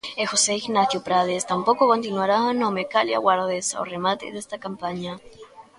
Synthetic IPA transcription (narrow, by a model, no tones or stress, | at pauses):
exoseiɣnaθjopɾaðest̪ampokokont̪inwaɾanomekalja̰waɾðesa̰wremat̪ḛðest̪akampaɲa